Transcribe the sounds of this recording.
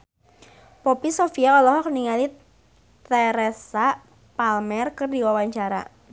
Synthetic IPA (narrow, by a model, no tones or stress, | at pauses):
pɔpisofiaɔlɔɦɔk̚niŋali | t̪ɛɾɛsa | palmɛrkɨrdiwawaɲt͡ʃaɾa̰